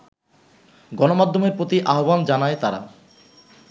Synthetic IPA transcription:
ɡɔnomad̪ʱːomeɾpɾot̪iʔaɦoband͡ʑanaet̪aɾa̰

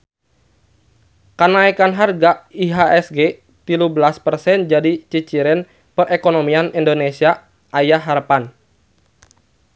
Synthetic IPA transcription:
kanaikanɦarɡaiɦaʔɛsɡe | t̪ilubəlaspərsɛnd͡ʒadit͡ʃit͡ʃiɾɪn | pərʔekonomianindonesia | ʔajaɦarpan

